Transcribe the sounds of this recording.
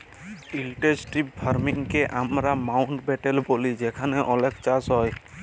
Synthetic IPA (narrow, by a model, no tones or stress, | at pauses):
ilʈesʈip̚pʰaɾmiŋkɛʔamɾamawɳʈbɛʈɛlbolid͡ʒɛkʰanɛʔɔlɛkt͡ʃasɦɔj